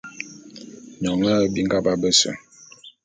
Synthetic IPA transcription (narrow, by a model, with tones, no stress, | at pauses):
ɲɔ˨ŋə˦bi˦ŋ̩˦ɡa˦ba˦bə˦sə̰˨